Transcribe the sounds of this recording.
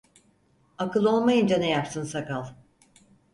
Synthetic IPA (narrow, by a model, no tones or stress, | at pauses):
akɯlˠo̞lˠmajɯnd͡ʒanejapsɯnsakalˠ